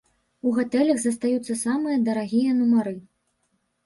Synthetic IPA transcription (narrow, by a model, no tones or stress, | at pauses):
uɣat̪ɛlʲɐɣzɐst̪ajut̪sːɐsamɨjɐd̪ɐɾaɣʲijɐnumaɾɨ